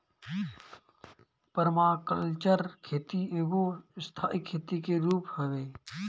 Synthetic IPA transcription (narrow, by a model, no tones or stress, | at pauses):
pəɾmaːkəlt͡ʃəɾkʰeːt̪ieɡost̪ʰaːʔɪkʰːeːt̪ikeɾuːphəʋeː